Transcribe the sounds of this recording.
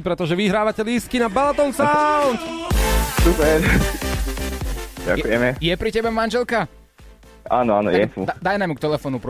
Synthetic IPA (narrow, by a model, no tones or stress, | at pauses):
pɾɛt̪ɔʒɛʋiɦɾaːʋacɛlis̚kinabalat̪ɔnsaʊnt̪ | supɛɾ | ɟa̰kujɛmɛjɛpɾicɛbɛmanʒɛlka | a̰ːnɔanɔ̰jjɛt̪ṵad̪ajnamukt̪ɛlɛfɔːnupɾɔ